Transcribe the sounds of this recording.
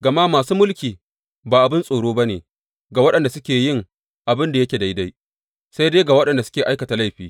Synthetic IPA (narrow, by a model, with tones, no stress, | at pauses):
ɡɐ˨ma˦maː˨suː˦mʊ˦lkʲiː˨ | baː˨ʔa˨bɪ˦nsʼoː˨ɽoː˦ba˦neː˨ | ɡa˨wɐ˦ɗɐ˨nda˨sʊ˦kʲeː˨jɪ˦˨ŋ | ʔa˨bɪ˦nda˨jɐ˦kʲe˨da˨jda˦j | sa˦jdeː˦ɡa˨wɐ˦ɗɐ˨nda˨sʊ˦kʲeː˨ʔa˦jkɐ˨ta˨la˦˨jɸiː˨